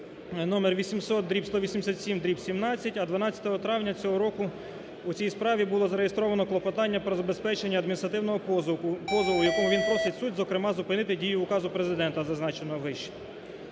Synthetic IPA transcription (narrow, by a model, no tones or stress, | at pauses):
nɔmerʋʲisʲimsɔt̪̚d̪ɾʲipst̪ɔʋʲisʲimesʲat̪sʲimd̪ɾʲipsʲimnɑt͡sʲːɐtʲɐd̪ʋɐnɑt͡sʲɐ̥t̪ɔɦɔt̪ɾɑwnʲɐt͡sʲɔɦɔɾɔkʊ | ut͡sʲijspɾɑʋʲibʊlˠɔzɐɾejest̪ɾɔʋɐnɔklˠɔpɔt̪ɑnʲːɐpɾɔzɐbe̞spɛt͡ʃenʲːɐːd̪̚mʲinʲist̪ɾɐt̪ɪwnɔɦɔpɔzɔlˠʊjɐkɔmʊʋʲinpɾɔsetʲsutʲzɔkɾemɑzʊpɪnɪt̪ɪdʲijʊːkɑzʊpɾezɪd̪ɛnt̪ɐzɐznɑt͡ʃenɔɦɔʋɪʃt͡ʃɛ̥